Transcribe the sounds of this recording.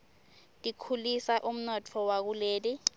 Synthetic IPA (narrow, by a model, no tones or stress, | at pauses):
tʼikʰulisaʔum̩nɔt͡fʰɔwak̬uleːli